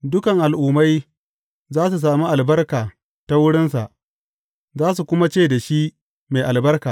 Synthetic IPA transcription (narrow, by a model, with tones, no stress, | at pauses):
dʊ˦kɐ˨ŋʔa˨lʔʊː˨ma˦j | zaː˦s̬u˨s̬aː˨mi˦ʔa˨lbɐ˦rkaː˨ | ta˦wʊ˦ɽɪ˦nsa˨ʔ | zaː˦s̬u˨kʷʊ˦ma˦t͡ʃeː˦˨da˨ʃi˦ʔ | me˨jʔa˨lbɐ˦rkaː˨